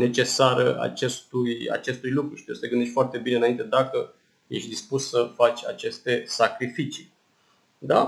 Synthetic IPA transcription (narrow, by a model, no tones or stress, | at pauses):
ne̞t͡ʃe̞saɾə̰a̰t͡ʃest̪uja̰t͡ʃe̞st̪ujlukɾuʃi̥t̪iosə̥leɡɨnd̪eʃʲfoart̪e̞bineɨnaint̪e̞d̪akə | jḛʃʲd̪ispussəfat͡ʃʲa̰t͡ʃe̞st̪e̞sakɾifit͡ʃi̥ | d̪a